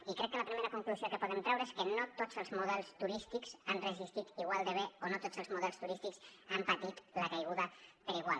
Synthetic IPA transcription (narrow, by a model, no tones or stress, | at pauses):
ikɾɛkːələpɾimeɾəkuŋkluziokəpuðɛmt̪ɾɛwɾəeskənot̪ozəlˠzmuðɛlˠst̪uɾist̪ikz̥anrəzist̪it̪iɣ̞walˠd̪əβ̞eonot̪ozəlˠzmuðɛlˠst̪uɾist̪iksampət̪it̪ləkajɣ̞uðəpəɾiɣ̞wa̰lˠ